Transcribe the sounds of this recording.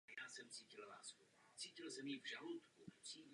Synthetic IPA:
jaːsɛmt͡siːcɪlla̰ːsku | t͡siːcɪlsɛmivʒalot̪kupr̥iːv

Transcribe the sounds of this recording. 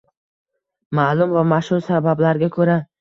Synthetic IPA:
malʊmvamaʃhʊɾsabablaɾɡʲakʰɵɾa

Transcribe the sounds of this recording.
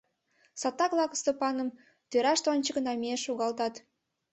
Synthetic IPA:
sɑt̪ːɑklˠɑkəst̪opɑnəm | t̪øɾɑʃt̪onʲt͡ʃəkənɑmʲeʃuɣɑlˠt̪ɑt̪

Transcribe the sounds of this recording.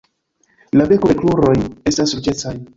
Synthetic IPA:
labe̞kokluɾo̞je̞stasːuɾt͡ʃe̞t͡saj

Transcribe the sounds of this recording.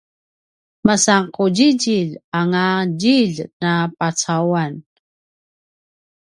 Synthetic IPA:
masaŋquɟiɟiʎaŋaɟiʎnapat͡sawan

